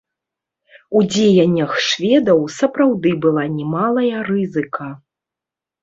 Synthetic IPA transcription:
ud͡zʲejɐnʲːɐxʂvʲɛd̪ɐwsɐpɾawd̪ɨbɨlˠanʲɛmalˠɐjɐrɨzɨkʰɐ

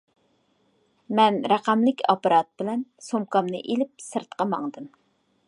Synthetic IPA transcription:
mɛnɾæqæmlɪkʲʰɑpɑɾɑt̪̚bɪlɛnsomkɑmnɨ̰ʔelɪp̚sɨɾt̪qɑmɑŋd̪ɨm

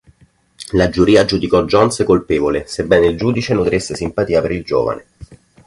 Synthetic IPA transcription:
lad͡ʒuɾiːad͡ʒud̪ikɔd͡ʒɔnskolpeːvolesebːɛnild͡ʒuːd̪it͡ʃenut̪ɾisːesimpat̪iːapeɾild͡ʒo̰ːva̰nḛ

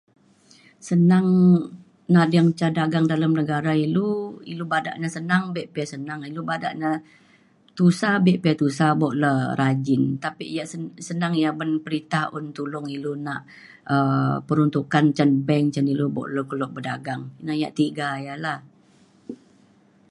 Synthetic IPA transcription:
sənaŋ | naʔdaŋt͡ʃadaɡaŋdalamnəɡaɾailuilubada̰ʔɲasənaŋbeʔpiasənaŋilubada̰ʔɲa | t̪usabeʔpiat̪usabɔʔləɾʔad͡ʒɪnt̪apiʔjaʔsəsənaŋjabənpəɾit̪ahʊnt̪ulʊŋilunaʔ | əpəɾunt̪ukant͡ʃanbɛŋt͡ʃanilubɔ̰ʔləkəlɔʔ̚bədaɡaŋinaja̰ʔt̪iɡajalah

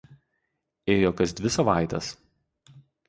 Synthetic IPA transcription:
eːjoːkɐs̬d̪ʲʋʲɪsɐʋɑˑɪt̪ʲɐs

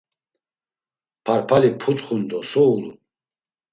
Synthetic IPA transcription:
pʰaɾpʰalipʰut̪χund̪ɔsɔulṵn

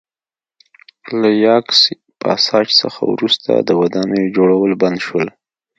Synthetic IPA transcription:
lajɑksi | pəasɑt͡ʃsə̰xa̰wɾust̪ʰa̰d̪əwad̪ɑnəjd͡ʒoɽawəlband̪ʃwəl

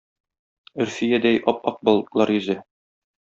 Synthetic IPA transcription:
ɵ̆ɾfijæd̪æjʔɒpɒq̚bɑlˠlˠɑɾjɵ̆zɘ

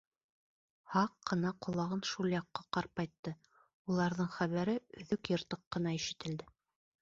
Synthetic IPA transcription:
hɑqːɤ̆nɑqŏlˠɑʁɤnʃulˠjɑqːɑqɑɾp̚ɑjt̪ːɤ | ulˠɑɾðɤɴχæβæɾɘɵ̆ðɵkjɤ̆ɾt̪ɤqːɤ̆nɑiʃɘ̆t̪ɘ̆ld̪ɘ

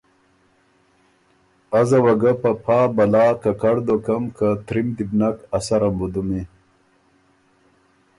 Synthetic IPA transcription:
azawɐɡapɐpʰaːbɐlaːkɐkɐɽd̪okɐmkat̪ɾimd̪ibnakɐsɐɾɐmbud̪umi

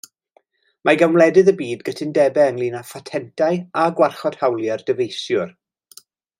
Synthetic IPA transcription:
mʔaɡamlˠɛdɨðəbiːdɡətʰɪndɛbɛəŋlˠiːnafatʰɛntʰajaɡwarχɔd̥hawlˠjard̥əvejsjʊr

